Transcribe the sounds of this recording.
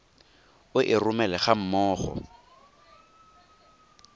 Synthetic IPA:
ʊʔɪrʊmɛlɛχam̩mɔːχɔ̰

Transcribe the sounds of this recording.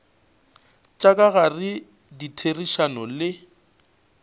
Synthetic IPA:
t͡ʃʼakʼaɣarɪ | ditʰeriʃanɔlɪ

